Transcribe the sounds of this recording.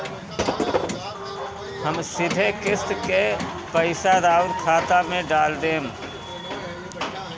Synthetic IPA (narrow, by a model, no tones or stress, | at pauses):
həmsɪd̪ʱekɪst̪ke | pəɪsaɾaːʊɾkʰaːt̪amẽɖaːld̪eːm